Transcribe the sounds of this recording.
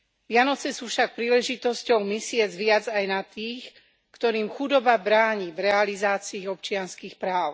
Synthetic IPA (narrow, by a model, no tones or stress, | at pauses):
ʋjanɔt͡sɛsuːfʃak̚pɾiːlɛʒit̪ɔscɔʊmisɪɛd͡zʋɪad͡zajnat̪iːx | kt̪ɔɾiːmxud̪ɔbabɾaːɲivɾɛalizaːt͡siːɔpt͡ʃɪanskiːxpɾaːʊ